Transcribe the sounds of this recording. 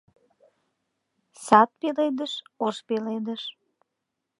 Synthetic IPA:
sɑt̪̚peled̪əʃoʃpeled̪əʃ

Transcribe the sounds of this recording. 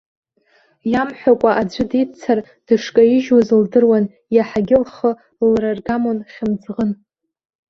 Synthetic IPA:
jamħʷᶣakʷʼaʔad͡ʒʷɪdit͡sʰar | d̥ɨʂkʼaiʒwazɨldɨrwan | jaħaɡʲɪlχə | lrarɡamonχʲɪmd͡zʁən

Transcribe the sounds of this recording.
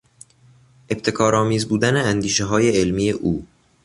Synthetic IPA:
ʔe̞bt̪ʰe̞kʰɒːɾɒːmiːzbuːd̪æneænd̪iːʃeɦɒːje̞elmiːjeʔuː

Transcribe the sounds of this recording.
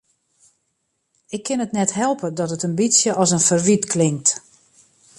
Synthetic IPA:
ɪkʰːɪnətnɛthɛlˠpədɔtətənbisjəʔɔsənfərʋitkʰlɪŋkt

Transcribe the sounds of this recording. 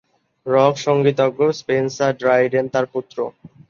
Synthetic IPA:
ɾɔkʃɔŋɡit̪̬oɡːospensaɖɾajɖent̪aɾput̪ːɾo

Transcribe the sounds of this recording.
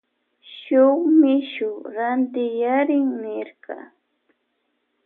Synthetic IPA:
ʃʊχmɪʃʊɾant̪ɪjaɾɪŋnɪɾkɑ̰

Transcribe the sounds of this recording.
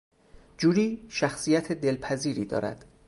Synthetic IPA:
d͡ʒuːɾiːʃæxsiːjæt̪ʰed̪elpʰæziːɾiːd̪ɒ̰ːɾæ̰d̪̥

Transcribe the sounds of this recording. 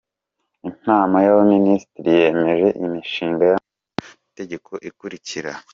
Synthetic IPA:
in̥aːmajaβoministiɾije̞ːme̞ʒe̞ʔimiʃiːŋɡaja | te̞ɟe̞kʰo̞ʔikuɾiciɾa

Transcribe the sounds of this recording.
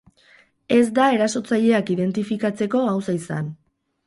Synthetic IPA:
e̞zd̪ae̞ɾaso̞t͡saʎe̞akiðe̞nt̪ifikat͡se̞ko̞awsaisa̰n

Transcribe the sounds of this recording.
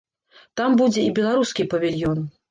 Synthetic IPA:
t̪ambud͡zʲɛibʲɛlˠaɾuskʲipɐvʲilʲjɔn

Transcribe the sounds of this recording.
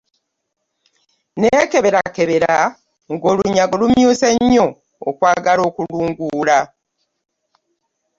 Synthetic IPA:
neke̞βe̞ɾake̞βeɾa | ŋɡo̞ːluɲaɡolumjuːseɲːo̞ː | kwaːɡalo̞ːkuluːŋɡuːla

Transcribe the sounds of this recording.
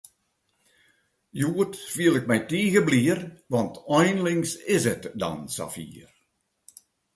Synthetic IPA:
juətfiəlɪk̚mɛjtiːɣəbliərʋɑntɔjnlɪŋsɪsɛtdɔ̰nsa̰fḭːər

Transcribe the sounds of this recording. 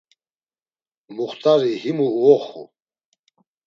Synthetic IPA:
muχt̪ʼaɾihimuuɔχṵ

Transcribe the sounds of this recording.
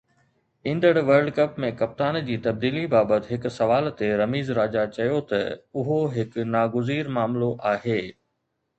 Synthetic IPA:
ĩːnd̪əɽʋəɾɖkɐpmẽkɐp̚t̪aːnd͡ʑiːt̪ɐb̚d̪iːlibaːbət̪ɪɦɪkʊ̆sɐʋaːlt̪eɾɐmiːzɾaːd͡ʑat͡ɕɐjot̪ɐʊɦoɦɪkʊnaːɡʊziːɾmaːmloʔaːɦeː

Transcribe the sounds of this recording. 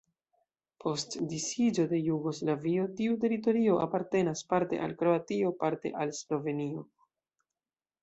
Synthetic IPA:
pʰo̞stdisid͡ʒo̞de̞juɡo̞slavio̞tiut̬e̞ɾit̬o̞ɾio̞ʔa̰paɾte̞naspaɾte̞̰ʔa̰lkɾo̞atio̞paɾte̞̰ʔalslo̞ve̞nio̞

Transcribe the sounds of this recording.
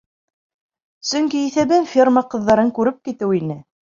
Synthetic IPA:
sɵ̆ŋkiːθæβɘnfʲirməqɤ̆ðːɑɾɤŋkʉɾɘp̚kit̪ɘwinɘ

